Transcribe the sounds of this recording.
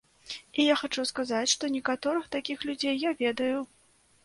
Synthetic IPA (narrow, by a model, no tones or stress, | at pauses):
ijaxat͡ʂuskazat͡sʲʂt̪ɔnʲɛkat̪ɔɾɨxt̪akʲixlʲud͡zʲejːavʲɛd̪ɐju